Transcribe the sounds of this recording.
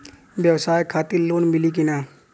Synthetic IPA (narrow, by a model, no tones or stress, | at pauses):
ʋjɐʋsaːjkʰaːt̪iloːnmɪlik̬ɪnaː